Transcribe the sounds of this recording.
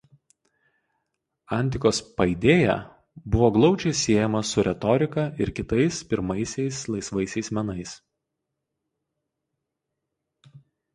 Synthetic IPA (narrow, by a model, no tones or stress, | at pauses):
ɑˑnʲt̪ʲɪkoːspɐɪd̪ʲeːjæ̰ː | bʊʋoːɡlˠɒʊd͡ʒʲɛɪsʲiɛjɛmɐsʊɾʲɛt̪ɔɾʲɪkɐɪɾkʲɪt̪ɐɪspʲɪɾmɐɪsʲɛɪslˠɐɪsʋɐɪsʲɛɪsmʲɛnɐɪs